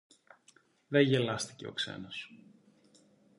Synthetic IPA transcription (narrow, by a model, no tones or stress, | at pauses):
ðeʝelɐst̪i̥ce̞̰o̞̰ksḛnos